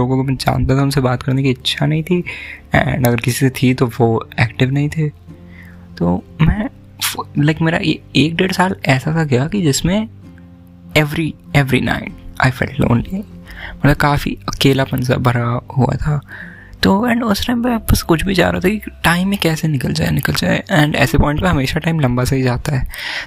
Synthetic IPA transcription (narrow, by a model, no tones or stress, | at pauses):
loːɡõkomɛ̃d͡ʒa̰ːnt̪at̪ʰaʊnsebaːt̪kɐɾnekiɐtːʃʰanɐɦĩt̪ʰiɛ̰ɳɖɐɡəɾkɪsiset̪ʰit̪oʋoːɛːkʈɪʋnɐɦĩt̪ʰeː | t̪oːmɛ̃ː | laɪkmeːɾa̰eeːk̚ɖeːɽsaːlɛːsat̪ʰaɡɐjakid͡ʒɪsmẽ | ɛʋɾiɛʋɾḭna̰ːɪ̃ma̰ːɪfɛ̰lʈlõ̰ːnlimɐt̪ləb̚kaːfḭɐkeːlapɐ̃nsa̰bʱɐɾaɦua̰t̪ʰaː | t̪oːɛ̃ːɳɖʊsʈaɪ̃mpɛ̃bɐskʊt͡ʃʰbʱid͡ʒa̰ːɾaːt̪ʰakiʈaːɪ̃mːẽkɛːsenɪkəld͡ʒa̰ːenɪkəld͡ʒa̰ːḛʔɛ̃ːɳɖɛ̰ːsepɔ̃ːɪ̃ɳʈpeɦɐmeːʃaʈaːɪ̃mlɐ̃mbaseɦid͡ʒaːt̪aɦɛː